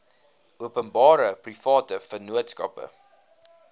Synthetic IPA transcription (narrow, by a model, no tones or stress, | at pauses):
uəpənbɑːɾəprifɑːtəfənuətskɐ̰pə̰